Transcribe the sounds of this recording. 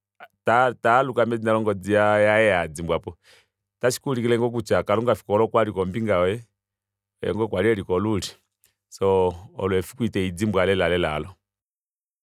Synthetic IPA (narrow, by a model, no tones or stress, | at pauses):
tatalukamɛd͡zinalɔŋɡɔd͡ziajaɛjad͡zimbwapɔ | taʃi̥kulikilɛŋɡɔk̬ut͡ʃakaluŋɡafi̥kɔlɔkwaɾikɔmbiŋɡawɛ̰ | ɛ̰ŋɡɔkwaliɛɾikɔluli | sɔɔlwɛfu̥kwitɛid͡zimbwalɛlalɛlalɔ